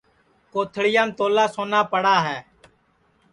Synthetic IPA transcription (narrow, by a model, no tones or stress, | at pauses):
koːt̪ʰɽɪjaːmt̪oːlaːsoːnaːpəɽaːɦɛː